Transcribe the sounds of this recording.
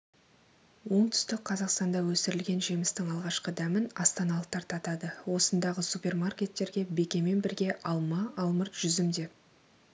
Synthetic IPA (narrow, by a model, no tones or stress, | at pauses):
wo̞ɴt̪ʰʏ̥st̪ɪk̚qʰɑzɑqst̪ɑnd̪ɑwɵsɪɾɪlɡʲe̞nʒijmɪst̪ɪŋɑlˠʁɑʃqəd̪æmɪnɑst̪ɑnɑlˠət̪ʰɑɾt̪ʰɑt̪ɑd̪əwo̞sənd̪ɑʁəsupʲe̞rmarkʲe̞t̪ːe̞ɾɡʲe̞be̞kʲe̞me̞nbɪɾɡʲe̞ʔɑlˠmɑɑlˠməɾt̪ʒ̥ʏzɪmd̪e̞p̚